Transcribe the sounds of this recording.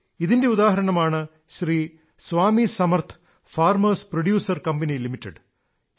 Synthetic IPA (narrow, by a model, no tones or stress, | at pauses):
iðinde̞uðaːɦɐɾɐɳɐmaːɳɨ | ɕriː | sʋaːmisɐmɐrt̪ʰ | faːrmɐsproɽjuːsɐrkɐmbɐnilimitːḛɖ